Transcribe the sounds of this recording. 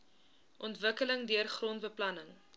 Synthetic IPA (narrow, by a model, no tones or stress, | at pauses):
ʔɔntvəkələŋdiərχrontbəplɐnəŋ